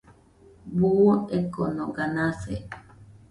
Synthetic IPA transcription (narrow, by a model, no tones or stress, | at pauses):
buoekonoɡanasḛ